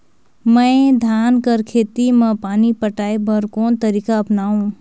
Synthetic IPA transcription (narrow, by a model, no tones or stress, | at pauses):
mɛ̃d̪ʱaːnkəɾkʰeːt̪imɐ̃paːnipəʈaːebəɾkoːnt̪ɐɾiːkaɐpnaːũ